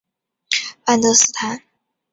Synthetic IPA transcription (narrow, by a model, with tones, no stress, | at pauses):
pa˥˧nd̪ɤ˥˧s̩˥˩t̪ʰa˧˥n